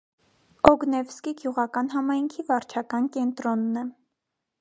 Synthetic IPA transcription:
ɔɡnɛvskiɡjuʁɑkɑnɦɑmɑjŋkʰivɑɾt͡ʃʰɑkɑnkɛnt̪ɾɔnːɛ

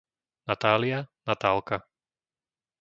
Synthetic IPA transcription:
nat̪aːlianat̪aːlˠka

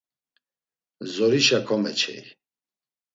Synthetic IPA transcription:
zɔɾiʃakʰɔmɛt͡ʃʰɛ̰j

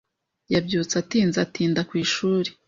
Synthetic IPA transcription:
jabɟuːt͡satiːnzatiːndakwiːʃuːɾe

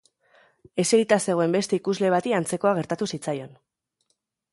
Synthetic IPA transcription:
e̞se̞ɾit̪ase̞ɣo̞e̞mbe̞st̪e̞ikuzle̞β̞at̪iant͡se̞ko̞aɣ̞e̞ɾt̪at̪usit͡sajo̞n

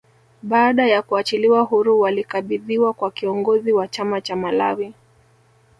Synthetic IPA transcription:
ɓaːɗajakuat͡ʃiliwaɦuɾuwalikaɓiðiwakwakiɔŋɡɔziwat͡ʃamat͡ʃamala̰wi

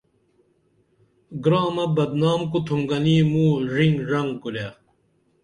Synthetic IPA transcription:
ɡɾaːmɐbɐd̪naːmkut̪ʰumɡɐniːmuːʐiŋʐɐŋkulaː

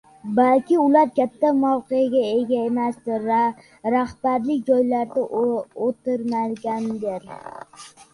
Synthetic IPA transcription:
balkʲɪʊlaɾkʲat̪ʰːamɒwqejaɡʲae̞ɡʲaemasd̪ɪɾa | ɾahb̥aɾlɪk̚ʲd͡ʒɒjlaɾd̪aot̪ɪɾmalɡʲand̪eɾ

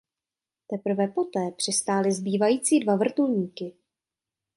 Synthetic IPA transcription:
t̪ɛpr̩vɛpo̞t̪ɛːpr̥ɪst̪aːlɪzbiːvajiːt͡siːdvavr̩t̪ulɲiːkɪ

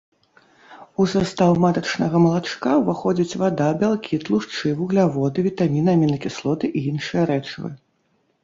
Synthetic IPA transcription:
usast̪awmat̪ɐt͡ʂnɐɣɐmɐlˠat͡ʂkavaxɔd͡zʲit͡sʲvad̪abʲalˠkʲʰit̪lˠuʂt͡ʂɨvuɣlʲavɔd̪ɨvʲit̪amʲinamʲinɨkʲislˠɔt̪ɨʔiinʂɨjɐɾɛt͡ʂvɨ̰

